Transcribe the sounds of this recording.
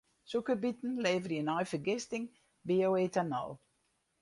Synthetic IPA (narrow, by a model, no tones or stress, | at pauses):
sukəbitn̩leːvərjənɔjfərɡɪstɪŋ | biowetanɔ̰lˠ